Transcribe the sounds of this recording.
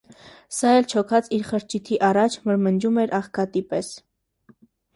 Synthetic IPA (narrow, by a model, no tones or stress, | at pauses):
sɑɛlt͡ʃʰɔkʰɑt͡siɾχəɾt͡ʃʰit̪ʰiʔɑrɑt͡ʃʰməɾmənd͡ʒumɛɾʔɑχkɑt̪ipɛs